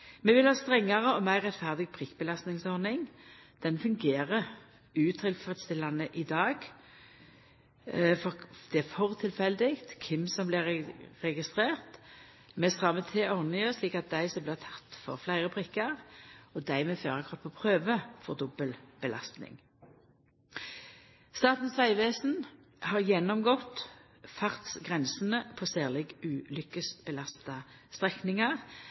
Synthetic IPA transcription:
mɛʋɪlhɑːst̪ʁɛŋːɑʁəɔmæɪʁɛt̪fæʁd̪ɪɡ̚pʰʁɪkːbəlɑst̪nɪŋsɔʁnɪŋd̪̥ɛnfʉŋɡeːʁəʁ | ʉːt̪ʰɪlfʁɛt̪st̪ɪlɑnəʔɪd̪ɑːɡ | fɔd̪̥ɛæfɔʁt̪ʰɪlfɛld̪ɪkt̪kʰɪmsɔmblɪʁɛɡɪst̪ʁeːʁt̪ | mɛskʁɑːmɛt̪ʰeːɔʁnɪəsliːkɑt̪̚d̪æɪsɔmblɪʁt̪ʰɑ̥t̪ːfɔ̰ʁflæɪʁəpʰʁɪkːɑʁɔd̪æɪmeːføːʁɑkʰɑʁt̪̚pʰoːpʰʁøːʋəfɔʁd̪ʊbəlb̥əlʔɑ̰st̪nɪ̰ŋ | st̪ɑːt̪n̩sʋæɪʋeːsn̩ | hɑʁjɛnɔmɡɔt̪ | fɑʁt̪sɡʁɛnsən̩əpʰoːsæːʁlɪɡʉːlʏkəsb̥əlɑst̪ɑst̪ʁɛknɪŋɑʁ

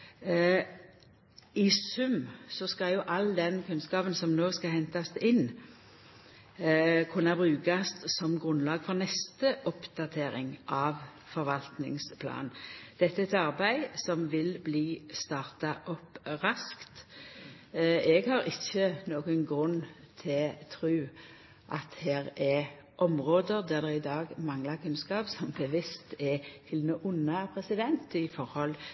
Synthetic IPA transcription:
ɪsʉmsɔskɑljʊʔɑlːd̪ɛnkʰʉnskɑːpənsɔmnoːskɑɦɛnt̪ɑsɪnː | kʰʉnːɑbʁʉːkɑst̪sɔmɡʁʉnlɑːɡfɔʁnɛst̪əʔɔpd̪ɑt̪ʰeːɾɪ̰ŋʔɑːʋ | fɔɾʋɑlt̪nɪ̰ŋspʰlɑ̰ːnd̪̥ɛt̪ːəɛt̪ɑʁbæɪsɔmʋɪlbliːst̪ɑːʁt̪ɑʔɔpʁɑskt̪ | ɛɡhɑɾɪçːənoːɡənɡɾʉnː | t̪ʰɪt̪ʰɾʉː | ʔɑt̪hæːɾɛ | ʔɔmʁoːd̪əʁd̪æʁd̪ɛɪd̪ɑːɡmɑŋlɑkʰʉnskɑːpsɔmbəʋɪst̪ɛt̪ʰɪlnoːʔʊnːəpʰʁɛsɪd̪ɛnt̪ɪfɔɾhɔl

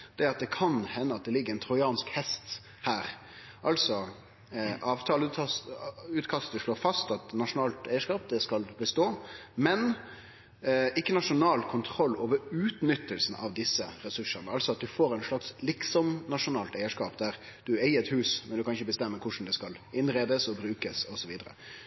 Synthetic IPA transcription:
d̪̥ɛɑt̪̚d̪ɛkʰɑnhɛnːəɑt̪̚d̪ɛlɪɡːəɛɪnt̪ʰɾʊɪɑːnskhɛst̪ | hæːɾ | ʔɑlsɔ | ʔɑːʋt̪ʰɑːl | ʉːt̪kʰɑst̪əʂɭoːɾfɑst̪ɑt̪nɑʂʊnɑːlt̪æɪəʂkɑːp̚d̪ɛskɑlbəst̪oːmɛn | ɪkːənɑʂʊnɑːlkʰʊnt̪ʰɾɔlːoːʋəɾʉːt̪nʏt̪ːəlsn̩ɑ̰ʋd̪ɪsːəɾɛsʉʂːəʁnəɑlsɔɑt̪̚d̪ʉfoːɾæɪnʂɭɑkslɪksɔmnɑʂʊnɑːlt̪æɪəʂkɑːpd̪æɾ | d̪̥ʉæɪəɾɛt̪hʉːsmɛnd̪ʉkʰɑnɪçːəbəst̪ɛmːəkʰʊʂn̩d̪ɛskɑlɪnɾeːd̪əsɔbɾʉːkəsɔsɔʋiːd̪əɾə̰

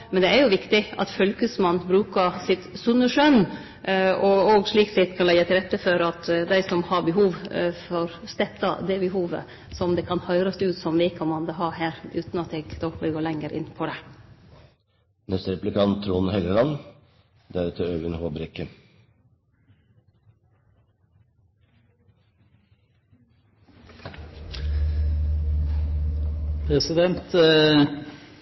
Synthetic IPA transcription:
mɛnd̪ɛæɾjʊʋɪkt̪ɪɑ̰t̪fœlkəsmɑnːbɾʉːkɑsɪt̪sʉnːəʃœn | ɔɔɡʂɭiːksɪt̪kʰɑnɛjət̪ʰɪlɾɛt̪ːəfɔɾɑt̪d̪æɪsɔmhɑɾbəɦuːʋfɔɾst̪ɛp̪ɑ̰d̪ɛbɛɦuːʋə̰ | sɔmd̪ɛkʰɑnhœʏɾɑsʉːt̪sɔmʋɪːkʰɑmːɑnd̪ɛɦɑɦæːɾʉːt̪nɑt̪ɛɡd̪ɔkʋɪlɡoːlɛŋːəɾʔɪ̰npʰɔd̪ɛ | nɛst̪əɾɛplɪkʰɑntt̪ʰːɾuːnhɛləlɑn | d̪æɾʉːt̪ʰəœʉənhoːbɾɛkːə | pʰɾɛsɪd̪ɛnt̪

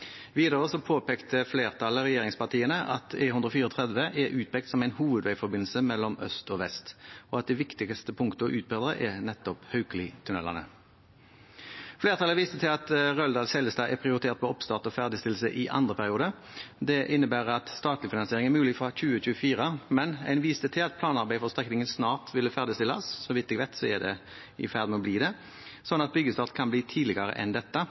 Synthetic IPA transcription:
ʋiːd̪əʁəsɔpʰoːpeːkt̪əfleːʁt̪ʰɑləʁɛjeːʁɪŋspɑʁt̪iːənəʔɑ̰t̪ʰeːhʉnd̪ʁəɔfiːʁəɔt̪ʰʁɛd̪ʋəʔɛʔʉːt̪̚pɛːk̚t̪sɔmæɪnhuːʋəd̪ʋæɪfɔɾbɪnl̩səmɛlːɔmœ̰st̪ɔʋɛst̪ɔɑt̪̚d̪ɛʋɪkt̪ɪɡəst̪əpʰʊŋkt̪əɔ̰ʔʉːbeːd̪əʁəʔɛnɛt̪ːɔphœʉklɪt̪ʰʉnɛ̰lɑ̰nə̰ | fleːʁt̪ʰɑləʋiːst̪ət̪ʰɪlɑt̪ʁœld̪ɑːlsɛləst̪ɑːɛpʰɾɪʊɾɪt̪ʰeːʁt̪̚pʰɔɔpst̪ɑːʁt̪ɔfæʁd̪ɪst̪ɪlsə̰ʔɪʔɑ̰nd̪ʁəpʰæʁɪuːd̪ə | d̪ɛʔɪnːəbæːʁɑt̪st̪ɑːt̪lɪfɪnɑnsɪeːɾɪŋɛʁmʉːlɪfʁɑçʉːəçʉːəfiːʁəmɛnæ̰ɪnʋiːst̪ət̪ʰɪlɑt̪̚pʰlɑːnɑʁbæɪfɔʁst̪ʁɛknɪŋənsnɑːʁt̪ʋɪlːəfæʁd̪ɪst̪ɪlːɑ̰ssɔʋɪt̪ːɛːɡʋæɪt̪sɔɛd̪ɛ̰ | ɪ̰fæʁd̪mɛɔbliːd̪ɛ | sɔnːɑt̪̚bʏɡːəst̪ɑːʁt̪kʰɑnbliːt̪ʰiːlɪɡɑɾə̰ʔɛ̰nd̪ɛt̪ːə

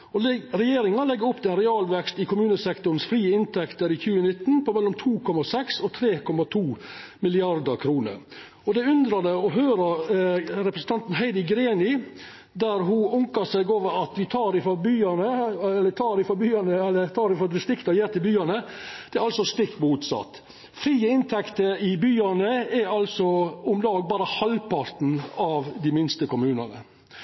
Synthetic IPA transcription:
ɔɾɛjeːɾɪŋɑlɛɡːəɾʊpːt̪ɪɛnɾɛɑːlʋɛkst̪ɪkʰʊmʉːnəsɛkt̪ʊɾn̩sfɾiːəɪnt̪ʰɛkt̪əɾɪçʉːənɪt̪ːn̩pʰɔmɛlːɔmt̪ʰuːkʰɔmɑsɛksɔt̪ʰɾeːkʰɔmɑt̪ʰuːmɪlɪɑɾd̪əkʰɾuːnə̰ɾ | ɔd̪ɛʉnd̪ɾɑd̪əɔɦøːɾɑ | ɾɛpɾəsn̩t̪ʰɑnt̪n̩ɦæɪd̪ɪɡɾeːnɪ | d̪æɾɦuʊŋkɑsɛɪɡoːʋəɾɑt̪ʋɪt̪ʰɑːɾɪfɔɾbyːɑnəɛlːət̪ʰɑːɾɪfɔɾbyːɑnəɛlːət̪ʰɑːɾɪfɔd̪ɪst̪ɪkt̪ɑjeːɾt̪ɪlbyːɑnəd̪̥ɛɾɑlsɔst̪ɪkt̪muːt̪sɑ̰t̪ː | fɾiːəɪnt̪ʰɛkt̪əɪbyːɑnəɛɑlsɔʊmlɑːɡ̚bɑːɾəhɑlpɑɾt̪n̩ɑʋd̪ɪmɪnst̪əkʊmʉːnɑ̰nə̰

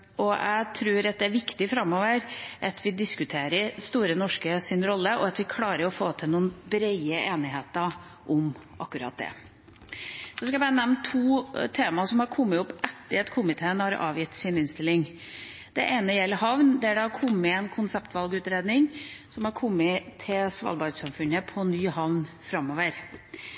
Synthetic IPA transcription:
ɔʔæ̰ɪt̪ʰɾʉːɾɑt̪̚d̪ɛæɾʋɪkt̪ɪfɾɑmːoːʋəɾʔɑt̪ʰʋɪd̪ɪskʉt̪ʰeːɾəɾst̪uːɾənɔʂkəsɪnɾɔlːəʔɔɑt̪ʋɪkʰlɑːɾəɾɔfoːt̪ʰɪlnuːənbɾɛɪəʔeːnɪɦheːt̪ə | ʔʊm | ʔɑ̰kːʉɾɑ̰ːt̪̚d̪ɛ̰ | sɔskɑæbɑɾənɛmnt̪ʰuːt̪ʰeːmɑsɔmhɑɾkʰɔmːəʊpːʔɛt̪ːəɾɑt̪kʰʊmɪt̪ʰeːənhɑɾɑ̰ːʋjɪt̪ːsɪnɪnst̪ɪlːɪŋ | d̪̥ɛʔeːnəjɛlːəɾɦɑʋnd̪ɛæɖɛɑɾkʰɔmːəɛnkʰʊnsɛpt̪ʋɑlɡʉːt̪ɾeːd̪nɪŋsɔmhɑɾkʰɔmːɪt̪ʰɪlsʋɑ̰ːlbɑɾsɑmfʉnːəpʰɔnyːhɑʋn | fɾɑmːoːʋəɾ

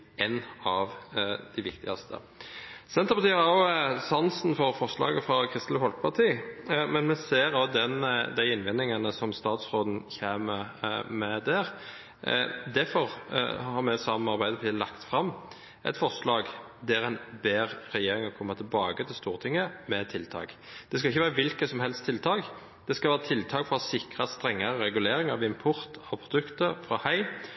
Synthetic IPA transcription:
ɛnɑʋd̪̥æɪʋɪkt̪ɪɡɑst̪ʰə̰ | sɛnt̪əpɑt̪iːhɑʁosɑnsn̩fɔɾfɔʁʂlɑ̰ːɡəfɾɑkʰʁɪst̪l̩əfɔlkəpʰɑt̪ʰiːmɛnmɛseːʁod̪ɛnd̪æɪɪnʋɛnːɪŋɑnəsɔmst̪ɑːt̪sʁoːd̪n̩çeːməmɛd̪æɾ | d̪æfɔʁ̰hhɑɾmɛsɑmɑɾbæɪd̪əp̪ʰɪlɑkt̪fɾɑm | ʔɛ̰t̪fɔʁʂlɑːɡ | d̪æɾɛnbeːʁɾɛjeːɾɪŋɔkʰɔmːɑt̪ʰɪlbɑːɡət̪ʰɪlst̪uːʁt̪ʰɪŋːəmɛt̪ʰɪlt̪ʰɑ̰ːɡ | d̪̥ɛskɑɪçːəʋæːɾəʋɪlkəsɔmhɛlst̪ʰːɪlt̪ʰɑːɡ | d̪̥ɛskɑlʋæːɾət̪ʰɪlt̪ʰɑːkfɾɑsɪkɾɑst̪ɾɛŋːɑɾəɾɛɡʉleːɾɪŋɑɾʋɪɪmpʰɔɾt̪ʰɑʋpʰɾʊd̪ʉkt̪əɾfɾɑhœɪ

